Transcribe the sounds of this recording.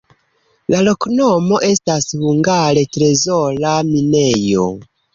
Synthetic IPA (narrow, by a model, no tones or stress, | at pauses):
lalo̞knomo̞ʔe̞stashuŋɡaɾe̞tɾe̞zolamine̞jo̰